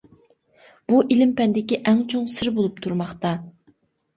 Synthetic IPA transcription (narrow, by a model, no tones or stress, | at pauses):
b̥uʔilɪmpɛnd̪ɪkʲiʔɛŋt͡ʃʰoŋsɨɾbolˠup̚t̪ʰuɾmɑχt̪ɑ